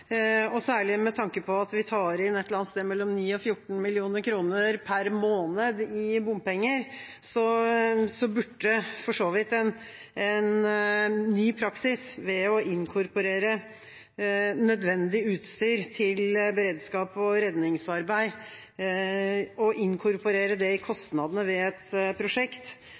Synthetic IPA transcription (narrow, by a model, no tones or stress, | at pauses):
ɔsæːɭɪmɛt̪ʰɑŋkəpʰɔɑt̪ʋɪt̪ʰɑːɾɪnɛt̪ləɾɑnst̪eːmɛlːɔmniːɔfjʊʈːɳ̩mɪlɪuːnəɾkʰɾuːnəəɾpʰæɾmoːnəd̪ɪbʊmpɛŋːəɾ | sɔsɔbʉʈːəfɔʂoːʋɪt̪ɛn | ɛn | nyːpʰɾɑksɪsʋɛɔʔɪŋkʰʊɾpʊɾeːɾə | nœd̪ʋɛnd̪ɪʉːt̪st̪yːɾt̪ʰɪlbəɾeːd̪skɑːpɔɾɛd̪nɪŋsɑɾbæɪ | ɔʔɪŋkʰʊɾpʊɾeːɾəd̪ɛɪkʰɔst̪nɑd̪ənəʋɛɛt̪pʰɾʊʂɛkt̪